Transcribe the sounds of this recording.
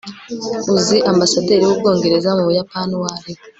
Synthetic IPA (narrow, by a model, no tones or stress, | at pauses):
uziʔambasade̞ːɾiwub̚ɡo̞ːŋɡe̞ɾe̞zamuβujapaːnuwaːɾe